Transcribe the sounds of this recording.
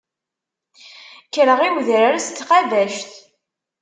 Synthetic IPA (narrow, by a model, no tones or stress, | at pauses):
kɾəʁiwðɾaɾast̪ːqɑðæʃt̪